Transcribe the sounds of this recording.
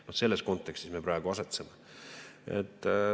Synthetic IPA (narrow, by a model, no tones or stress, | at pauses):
nohse̞lːesko̞nt̪ːˑe̞kst̪isme̞prɑeɡ̥uɑse̞t̪seme | ḛt̪ːˑ